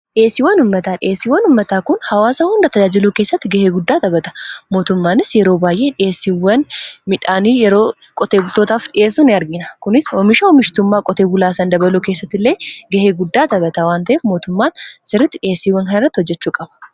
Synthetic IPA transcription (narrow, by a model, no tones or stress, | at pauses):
ᶑɪeːsːɪwɐnʊmːɐt̪aːᶑɪʔeːsːɪwːɐnʊmːɐt̪aːkʊnhɐwaːsɐhʊnd̪ɐt̪ɐd͡ʒaːd͡ʒɪluːke̞ːsːɐt̪ːɪɡɐheːɡʊd̪ːaːt̪ɐbɐt̪ɐ̥mo̞ːt̪ʊmːaːnɪsjɛɾoːbaːjʔe̞ːᶑɪeːsːiwɐnmɪᶑaːniːjɛɾo̞ː | kʼɔt̪e̞ːbʊlt̪oːt̪aːfᶑɪʔeːs̬ʊnɪɐɾɡɪnɐkʊnɪsɔmɪʃɐwɔmɪʃt̪ʊmːaːkʼɔt̪eːbʊlaːsɐnd̪ɐbɐluːke̞ːsːɐt̪ːɪlːe̞ːɡɐheːɡʊd̪ːaːt̪ɐbɐt̪ɐwaːnt̪ɐʔeːfmo̞ːt̪ʊmːaːnsɪrːɪt̪ːɪᶑɪeːsːiːwːɐŋkɐnɪrːɐt̪ːɪhɔd͡ʒːɛt͡ʃːuːkʼɐb̥ɐ̥